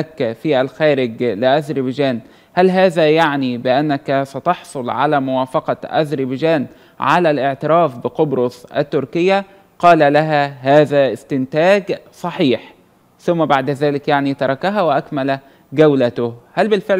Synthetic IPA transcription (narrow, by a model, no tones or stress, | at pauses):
ækːfiːʔælxæːɾɪɡlɪʔæzɾibd͡ʒæːn | hælɦaːðæːjaʕnibɪʔanːækæsæt̪ɑħsˤolʕa̰læːmʊwaːfɑqɑʔæ̰zɾibd͡ʒæːn | ʕa̰lælʔɪʕt̪ɪɾˤɑːfbɪqobɾosˤʔæ̰t̪ːʊɾkɪjːæ | qɑːlælæɦæhæːðæːʔɪst̪ɪnt̪æːɡsˤɑħiːħ | θʊmːæbaʕd̪æðæːlɪkjaʕnit̪ɑɾˤɑkaɦæwɪʔækmæl | ɡæwlæt̪ʊhælbɪlfeʕ